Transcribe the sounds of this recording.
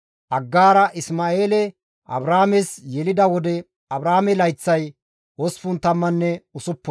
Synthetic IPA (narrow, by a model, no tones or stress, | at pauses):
ʔɐɡːaːɾɐʔɪsmaːeːlɛ | ʔɐ̰bɾaːmɛsjɛlɪd̪ɐwɔd̪ɛ | ɐbɾaːmɛlɐjt͡sːɐj | wɔsfʊnt̪ɐmːɐnːɛʊsʊpːɔ